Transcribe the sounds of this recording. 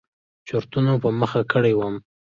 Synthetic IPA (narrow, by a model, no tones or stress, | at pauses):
t͡ʃoɾt̪unopəməxakəɽewəm